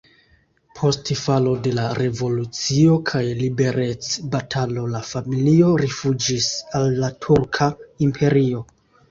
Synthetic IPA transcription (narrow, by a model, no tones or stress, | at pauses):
pʰo̞stifalo̞de̞laɾe̞vo̞lut͡sio̞kʰajlibe̞ɾe̞t͡sbatʰalo̞lafamilio̞ɾifud͡ʒisalːatʰuɾkʰaimpʰe̞ɾio̞